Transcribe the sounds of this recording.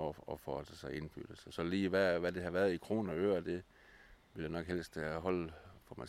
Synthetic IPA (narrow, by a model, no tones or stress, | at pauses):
ɒɒfɒd̥əsɑ̈ɪe̝nb̥y̰d̥l̩səsɒ̽liːʋæʋæde̝ɦɑʋæɐð̩ˠikʰʁo̝̰ːnɐøːɐd̥e̝ | ʋe̝ljanɒ̽ɡ̥ɦel̰sd̥ɦɒ̽l̰fɒmæ